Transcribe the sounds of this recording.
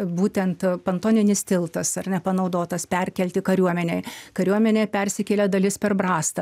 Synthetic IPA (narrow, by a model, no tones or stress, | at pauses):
buːt̪ʲɛnt̪pɐnt̪oːnʲɪnʲɪst̪ʲɪlˠt̪ɐsɐrnʲɛpɐnɐʊd̪oːt̪ɐspʲɛrʲkʲɛlʲt̪ʲɪkɐɾʲuɔmʲɛnʲɛjkɐɾʲuɔmʲɛnʲepʲɛrʲsʲɪkʲeːlʲɛd̪ɐlʲɪspʲɛrbrɑːst̪ɐ